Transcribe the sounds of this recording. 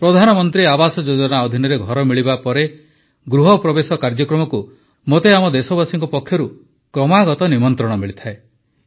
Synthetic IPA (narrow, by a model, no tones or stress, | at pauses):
pɾɔd̪ʱanɔmɔnt̪ɾiabasɔd͡ʒod͡ʒɔnaɔd̪ʱinɔɾeɡʱɔɾɔmiɭibapɔɾe | ɡɾuɦɔpɾɔbesɔkaɾd͡ʒɔkɾɔmɔku | mot̪eamɔd̪esɔbasiŋkɔpɔkʰːjɔɾu | kɾɔmaɡɔt̪ɔnimɔnt̪ɾɔɽɔmiɭit̪ʰae